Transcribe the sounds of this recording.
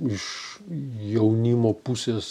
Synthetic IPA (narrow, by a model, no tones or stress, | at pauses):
ɪʃ | jɛʊnʲimoːpusʲeːs